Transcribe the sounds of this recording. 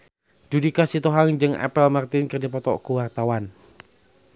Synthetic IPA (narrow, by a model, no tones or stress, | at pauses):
dudikasit̪oɦaŋd͡ʒɨŋa̰pəlmart̪ɪnkərdipɔt̪ɔ̰ʔkuwart̪awan